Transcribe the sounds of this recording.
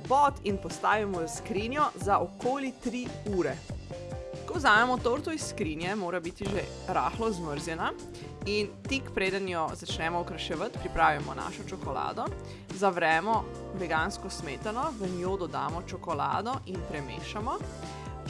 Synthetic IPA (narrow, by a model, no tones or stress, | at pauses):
pɔt̪inpɔst̪aːʋimɔəskɾinjɔzaʔɔkoːlit̪ɾiuːɾɛ | kɔwzaːmɛmɔt̪oɾt̪ɔisːkɾinjɛmoːɾabit̪iʒe | ɾa̰ːxlɔzməɾzjɛna | int̪ikpɾeːd̪ənjɔzat͡ʃnɛːmɔukɾɐʃɛʋət̪pɾipɾaːʋimɔna̰ːʃɔt͡ʃɔkɔla̰ːd̪ɔ | zaʋɾɛːmɔ | bɛɡaːnskɔsmeːt̪anɔʋənjoːd̪ɔd̪aːmɔt͡ʃɔkɔla̰ːd̪ɔʔinpɾɛmḛːʃamɔ